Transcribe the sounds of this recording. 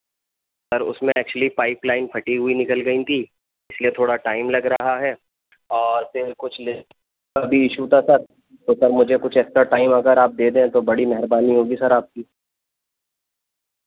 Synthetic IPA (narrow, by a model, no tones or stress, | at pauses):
sɐɾʊ̰smẽɛːk̚t͡ʃʊəlipaːɪplaːɪnpʰɐʈiɦʊinɪkəlɡɐĩt̪ʰiː | ɪsliet̪ʰoːɽaʈaːɪmlɐɡɾɐɦaɦɛː | ɔːɾfɪɾkʊt͡ʃʰle | kabʱiɪʃut̪ʰasɐɾ | t̪osɐɾmʊd͡ʒʱekʊt͡ʃʰɛːksɾaʈaːɪmɐɡəɾaːp̚d̪eːd̪ẽɛ̃t̪obɐɽimɛɦɛɾbaːniɦoːɡisɐɾaːp̚kiː